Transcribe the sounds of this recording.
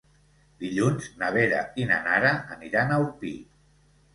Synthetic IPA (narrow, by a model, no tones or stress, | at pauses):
d̪iʎunznaβ̞eɾa̰ina̰naɾaːniɾanawpi